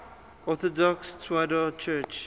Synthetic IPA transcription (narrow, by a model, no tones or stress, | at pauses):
ɔθɔdɔkstʰwɛdət͡ʃʰɜt͡ʃ